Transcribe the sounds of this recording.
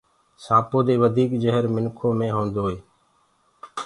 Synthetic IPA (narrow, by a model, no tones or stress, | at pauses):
saːpoːd̪eːʋəd̪ʱiːkd͡ʒəɦəɾmɪnkʰoːmẽːɦõːnd̪oːɦeː